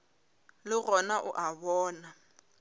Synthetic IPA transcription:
lɪɣɔnaʔʊʔaβɔːna

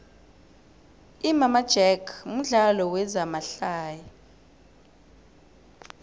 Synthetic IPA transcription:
imamad̥ʒ̥ʱɛkʰm̩ɮalɔwɛzamaɬaːja

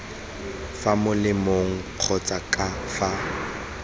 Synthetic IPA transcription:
famʊlɪmoŋ̩q͡χʰɔt͡sʼakʼafa

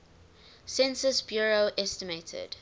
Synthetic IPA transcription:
sɛ̃nsəsbjɔɹoʊʔɛstəmetʰə̰d̥

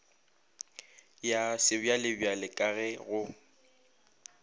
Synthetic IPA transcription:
jasɪbjalɪbjalɪkʼaɣɛɣʊ

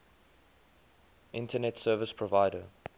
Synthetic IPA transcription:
ʔɪ̃ntʰənɛtsɜːvəspʰɹɔvaɪdə

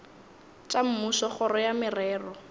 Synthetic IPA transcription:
t͡ʃʼam̩musɔχɔɾɔjamɪrɛːrɔ

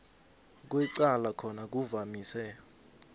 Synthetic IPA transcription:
k̬wɛǀalakʰɔnak̬uvamiːsɛ

